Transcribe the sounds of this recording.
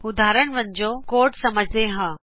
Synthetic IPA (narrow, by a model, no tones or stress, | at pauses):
ʊd̪aːɾəɳʋə̃ɲd͡ʒoːkoːɾʈsɐməd͡ʒʱd̪eɦãː